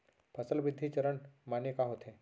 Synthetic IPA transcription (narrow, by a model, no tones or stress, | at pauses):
pʰəsəlbɪd̪ʱːit͡ʃɐɾəɳmaːnekaɦoːt̪ɦeː